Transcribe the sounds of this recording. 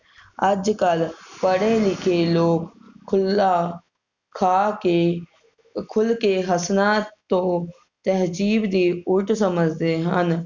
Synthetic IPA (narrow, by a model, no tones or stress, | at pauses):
əd͡ʒkəlpəɽẽlɪkʰeːloːkʰʊla | kʰaːke | kʰʊlkeːɦəsnaːt̪t̪õː | t̪əɦd͡ʒiːbd̪iːʊʈʰsəməd͡ʒd̪eːɦən